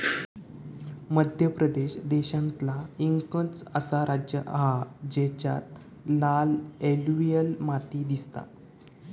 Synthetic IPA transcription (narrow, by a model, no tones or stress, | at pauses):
məd̪ʱjəpɾəd̪eɕd̪eɕãnt̪laiŋkət͡səsaɾʔad͡ʑjəʔɦad͡ʑet͡ɕa̰t̪̚ | laleluijəlmat̪iːd̪ist̪a̰